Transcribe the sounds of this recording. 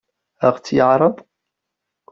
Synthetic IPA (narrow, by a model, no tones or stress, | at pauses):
əʁt͡sːjəʕɾˤəðˤ